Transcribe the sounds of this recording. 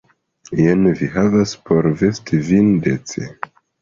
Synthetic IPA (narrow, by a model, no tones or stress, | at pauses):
jenviɦavaspʰoɾvestʰivindet͡sḛ